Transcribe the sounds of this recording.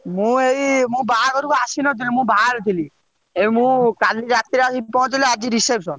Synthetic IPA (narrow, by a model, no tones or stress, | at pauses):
mũejmũbaaɾɔɾukɔasinɔt̪̬ilimũbaɾt̪ʰili | emũːkalid͡ʒat̪iɾasipɔɦt͡ʃilead͡ʒiɾisepsɔn